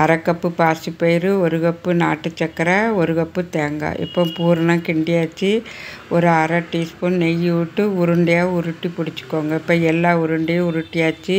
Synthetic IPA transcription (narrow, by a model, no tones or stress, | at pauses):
ɐɾɐkːɐpːɯpaːsɯpːɐjɪɾɯɔɾɯɣɐpːɯna̰ːʈːɯt͡ʃːɛkːɐɾɐɔɾɯɣɐpːɯt̪eːŋɡa̰ʔɪ̰pːõːpuːɾɐnãːkɪɳɖɪjaːt͡ʃːiʔɔɾɯɐɾɐʈːiːsponnɛjːɯʋɪʈːɯʊɾɯɳɖɐjaːʊɾɯʈːipʊɽɪt͡ʃːɯ̥kːoːŋɡɐɪpːɐːɛlːaːʊɾɯɳɖɐjɐ̃ʊɾɯʈːɪjaːt͡ʃːɯ